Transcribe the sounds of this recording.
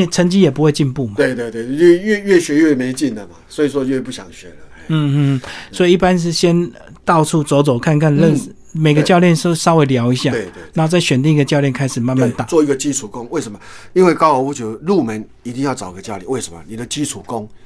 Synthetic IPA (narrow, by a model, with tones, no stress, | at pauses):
t͡sʰə˧˥ŋt͡ɕi˥jɛ˨˩p̬u˦hwe˥˧ɪt͡ɕi˥˧npu˥˩ma˨t̪we˥˧ɪt̪we˥˧ɪt̪we˥˩ɪɛ˥˧ɥɛ˥˧ɥɛ˥˩ɕɥɛ˧˥ɥɛ˥˩me˨˧˦ɪt͡ɕi˥˨˩nd̪ə˩ma˨swɔ˧˥i˨˩ʂwɔ˥ɥɛ˥˩pu˥˩ɕja̰˨˩ŋɕɥɛ̰˨˦lə˦ | n̩˥˩˥swɔ˧˥i˨˦i˥˩pa˦nʂ̬ɻ̩˥˨ɕjɛ˦n˧ | t̪ɑ˥˧ʊʈ͡ʂʰu˥˩t͡so˧˥ʊt͡so˨˩ʊkʰa˥˧nkʰa˥˨nlə˥˨n̩˨ | me˨˩ɪɡə˧t͡ɕjɑ˥˧ʊljɛ˥˨nʂsɑ˥ʊwe˧˦ɪljɑ˧˥ʊi˧˦ɕja˥˨e˧˨we˥˨na˨˥o˥˧t͡sa˥˩ɪɕɥɛ˨˩nt̪̬i˥˩ŋi˧ɡə˨˧t͡ɕjɑ˥˧ʊljɛ˥˩nkʰa˥ɪʂ̩˨˩ma˥˧nma˥˧nt̪a˥˩t͡swɔ˥˧˨i˧˥ɡə˨t͡ɕi˦t͡sʰu˨˩ko˦ŋwe˥˩ʂə˧˦mɐ˧i˦nwe˥˧ɪkɑ˥ʊo˨˦u˧˥t͡ɕɛ˧˩də˧lu˥˨˩mə˨˦n | i˧˥t̪i˧jɑ˥˩ʊt͡sɑ˨˩ʊ˨ɡə˧t͡ɕja˥˧lḭ˨˦we˥˩ʂə̥˧˦mɐ̰˨˩ni˨˩d̪ə˦t͡ɕi˦t͡sʰu˨˩ko˦˥ŋ